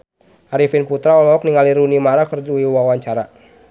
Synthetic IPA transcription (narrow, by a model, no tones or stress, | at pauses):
ʔaɾifinput̪ɾaɔlɔɔk̚niŋaliɾunimaɾakərduwiwawaɲt͡ʃaɾa